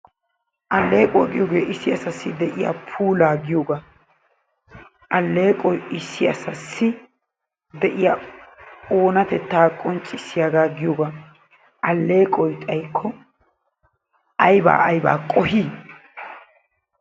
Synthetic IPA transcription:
ʔɐlːe̞ːkʼɔjɡɪjoːɡeːʔɪsːɪɐsɐsːɪd̪ɛʔɪja̰ːpʰuːlaːɡɪjoːɡaː | ʔɐlːe̞ːkʼɔjɪsːɪɐsɐsːɪ | d̪ɛʔɪjaː | oːnɐt̪ɛt̪ːaːkʼɔnt͡ʃʼːɪsːɪjaːɡaːɡɪjoɡaː | ɐlːe̞ːkʼɔjt̪ʼɐjkʰːɔ | ʔɐjba̰ːɐjba̰ːkʼɔhiː

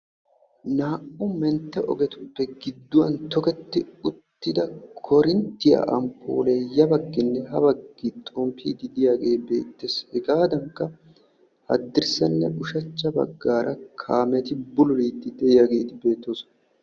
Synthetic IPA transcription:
naːʔʊmɛnt̪ːɛʔɔ̰ɡɛt̪ʊ̥pːɛɡɪd̪ːʊwɐnt̪ɔkɛt̪ːɪʊt̪ːɪd̪ɐkʰɔɾɪnt̪ːɪja̰ːʔɐmpʰːo̰ːlejɐbɐɡːɪnːɛɦɐbɐɡːit̪ʼɔmpʰːḭːd̪ɪd̪ɪjaːɡe̞ːbe̞ːt̪ːeshɪɡaːd̪ɐŋkːɐ | hɐ̰d̪ːɪɾsɐnːɛ̰ʔʊʃɐt͡ʃːɐbɐ̰ɡːaːɾʔɐkʰaːmɛt̪ɪbʊlɔliːt̪ːɪd̪ɛɪjaːɡe̞ːt̪ɪbe̞ːt̪ːoːsɔ̥n

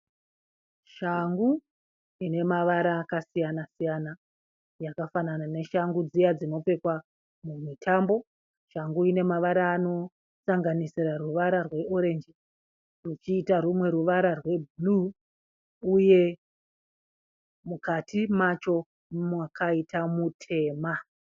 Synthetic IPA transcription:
ʃaŋɡu | ine̞maʋaɾakasijanasijana | jakafananane̞ʃaŋɡud͡zijad͡zino̞p͡fe̞kwa | mumitʰambo̞ | ʃaŋɡuine̞maʋaɾaːno̞ | saŋɡanisiraruʋaɾarwe̞ʔo̞ɾe̞nd͡ʒi | rut͡ʃiːtarumwe̞ɾuʋaɾarwe̞bʱulu | uje̞ | mukatʰimat͡ʃo̞ | mwakʰaitʰamutʰe̞ːma

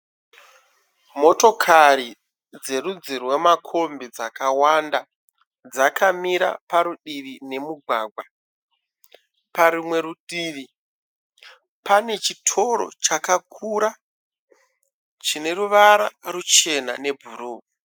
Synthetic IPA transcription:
mo̞to̞kʰaɾi | d͡ze̞rud͡zirwe̞makʰo̞mbid͡zakawanda | d͡zakʰamiɾa̰paɾuɗirine̞muɡʱwaɡʱwa | paɾumwe̞ɾuɗiːri | pane̞t͡ʃitʰo̞ɾo̞̰t͡ʃakakʰuɾa | t͡ʃine̞ɾuʋaɾa̰rut͡ʃe̞na̰ne̞bʱuruːu

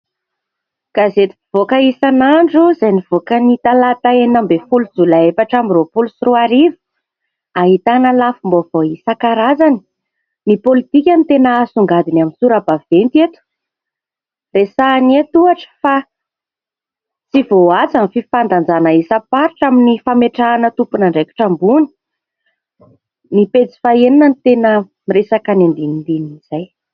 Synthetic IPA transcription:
ɡ̥azet̪iv̥okaisanaɳɖ͡ʐuzajniv̥okənit̪alat̪aenambefulud͡zulaefaʈ͡ʂamiropulusiɾuaɾivu̥ | aɦit̪anəlafumbovoisakaɾazani̥ | nipolit̪ikʲanit̪enaasuŋɡad̪inaminsuɾabav̥ent̪iet̪u̥ | resanet̪uaʈ͡ʂə̥fa | t͡sivoat͡sanfifand̪and͡zanaisapaɾiʈ͡ʂaminifameʈ͡ʂanət̪upunaɳɖ͡ʐeki̥ʈ͡ʂambuni̥ | nipet͡si̥faeninənit̪enə | miresakanend̪inid̪iniz̥aj

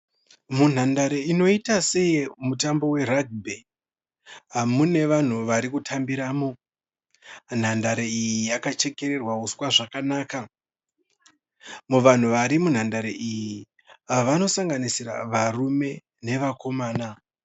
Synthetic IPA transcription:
mun̤andaɾeino̞itase̞jimutambo̞we̞raɡ̚be | amune̞ʋan̤uʋaɾikutʰambiɾaːmo̞ | n̤andaɾeijjijakat͡ʃe̞ke̞ɾe̞rwauswaʐakanaːka | muʋan̤uʋaɾimun̤andaɾeʔiji | ʋano̞saŋɡanisira̰ʋarume̞ | ne̞ʋako̞maːna

